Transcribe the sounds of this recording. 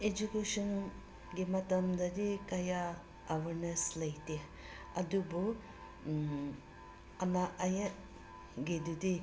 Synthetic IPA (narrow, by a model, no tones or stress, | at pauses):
ed͡ʒukesɔn | ɡemɐt̪ɐmd̪ɐd̪ikɐjaː | wɐɾneslɐjte | ɐd̪ubu | ɐnaʔɐjɐt̚ | ɡedudi